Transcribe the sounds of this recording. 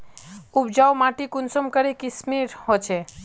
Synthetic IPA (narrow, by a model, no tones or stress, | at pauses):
ubd͡ʒawmãʈikunsəmkəɾikismiɾhot͡ʃʰe